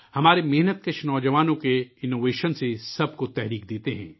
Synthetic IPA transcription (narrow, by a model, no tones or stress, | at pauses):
hɐmaːɾemɪɦnət̪̚kɐt͡ʃʰnɔːd͡ʒɐʋaːnõkeɪnːoːʋeːʃənsesɐb̚kot̪ɛɦɾiːkd̪eːt̪eɦɛ̰̃ː